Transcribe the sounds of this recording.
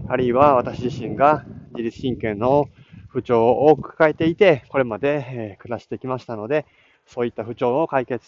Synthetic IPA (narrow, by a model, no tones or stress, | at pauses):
aɾʲɯiβaβat̪aɕiʑiɕĩŋɡad͡ʑiɾʲit͡sɨ̥ɕĩŋkẽ̞nːo̞ | ɸɯ̟t͡ɕo̞ːokɯ̟̥kae̞t̪e̞it̪e̞ko̞ɾe̞mad̪e̞kɯ̟ɾaɕi̥t̪e̞kʲimaɕi̥t̪ano̞d̪e̞ | so̞ːit̪ːaɸɯ̟t͡ɕo̞ːokaike̞t͡sɨ̥